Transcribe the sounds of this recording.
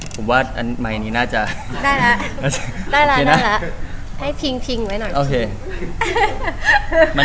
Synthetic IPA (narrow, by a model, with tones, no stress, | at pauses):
pʰo˩˦mwaː˥˩ʔa˧n˥ma˧jʔa˧nːiː˦˥naː˥˩t͡ɕa˨˩daː˥˩jlɛ˦˥ʔnaː˥˩t͡ɕa˨˩daː˥˩jla˦˥˧dna˦˥˩lɛ˦˥ʔha˥˩jpʰi˧ŋpʰi˧ŋwa˦˥jnɔ˨˩ʔoː˧kʰeː˧ | ma˧